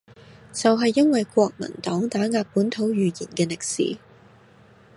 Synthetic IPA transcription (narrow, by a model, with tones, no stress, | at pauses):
t͡sɐ˨wɦɐ˨jːɐ˥nwɐ˨jkʷɔː˧k̚mɐ̰˨˩nt̪ɔː˨˥ŋt̪aː˨˥ŋaː˧k̚puː˨˥nt̪ʰo˨˥wjyː˨jḭː˨˩nkɛː˧lɪ˨k̚sḭː˨˥